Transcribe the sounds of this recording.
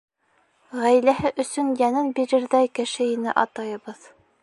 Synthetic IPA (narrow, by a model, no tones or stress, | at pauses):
ʁæjlæɦɘʔɵ̆sɵnjænɘnbiɾɘ̆ɾðæjkɘ̆ʃɘinɘ̰ʔɑ̰t̪ɑjɤ̆βɤð